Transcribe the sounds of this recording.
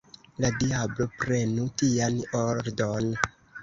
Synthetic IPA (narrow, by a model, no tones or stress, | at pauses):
ladiablo̞pɾe̞nutianoɾdon